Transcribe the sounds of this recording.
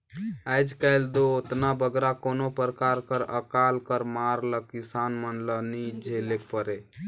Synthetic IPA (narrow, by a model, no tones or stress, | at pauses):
əjd͡ʒkəld̪oot̪nabəɡɾakoːnopəɾəkaɾkəɾə̰kalkəɾmaɾləkisanmənlənid͡ʒʱelek̚ʰpəɾe